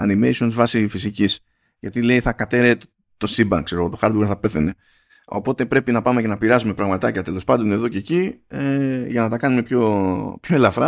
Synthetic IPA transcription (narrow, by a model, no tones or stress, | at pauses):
ɐ̰nimḛsio̞nzvɐsifisicis | ʝɐt̪ile̞iθɐkɐt̪e̞ɾet | t̪o̞sibɐŋkse̞ɾoɣo̞t̪oxɐɾd̪uɣeɾθɐpe̞θe̞ne̞ | o̞̰po̞t̪e̞pɾe̞pinɐpɐmece̞nɐpiɾɐzumepɾɐɣmɐt̪ɐcɐt̪e̞lo̞spɐnd̪one̞ðo̞ce̞ːcieʝɐnɐt̪ɐkɐnume̞pço̞pçoelɐfɾɐ